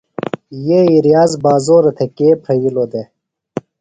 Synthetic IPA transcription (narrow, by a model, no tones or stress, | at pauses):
jeiɾjaːzbaːzoːɾɐt̪ʰekeːpʰɾɐiloːd̪e